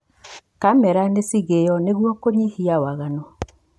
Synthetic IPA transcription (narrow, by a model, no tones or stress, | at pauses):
kamɛɾanesiɣejɔneɣwɔkoɲihiawaɣanɔ